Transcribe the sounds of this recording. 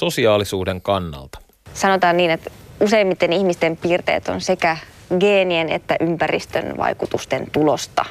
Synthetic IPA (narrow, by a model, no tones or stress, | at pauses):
sosiɑːlisuːdeŋkɑnːɑ̰lt̪ɑ̥ | sɑnot̪ɑːnniːnet̪useimːit̪ːenihmist̪empiːrt̪ḛːt̪o̰nsekæ | ɡeːnienḛt̪ːæʔympærḭst̪ø̰nʋɑ̰ikut̪ust̪ḛnt̪ulost̪ɑ̰